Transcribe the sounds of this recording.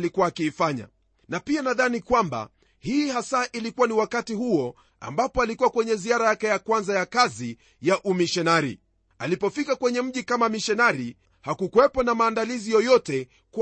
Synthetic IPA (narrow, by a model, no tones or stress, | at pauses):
likuwaːkiːfaɲa̰ | napianaðanikwamba̰ | hiːhasaʔilikuwaniwakatihuɔ | a̰mbapɔalikuwakwɛɲɛziaɾajakɛjakwanzajakazi | jaʔumiʃɛnaɾḭ | alipɔfikakwɛɲɛm̩ʄikamamiʃɛnaɾi | hakukuwɛpɔnamaːndalizijɔjɔtɛ | k